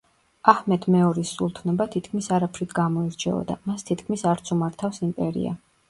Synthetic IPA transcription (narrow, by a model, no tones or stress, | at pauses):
ahmɛt̪ʰmɛɔɾisːulˠt̪ʰnɔbat̪ʰit̪ʰkʰmisaɾapʰɾit̪ʰɡamɔiɾt͡ʃʰɛ̰ɔ̰d̪a̰mast̪ʰit̪ʰkʰmisaɾt̪sʰumaɾt̪ʰafsimpʼɛɾḭa̰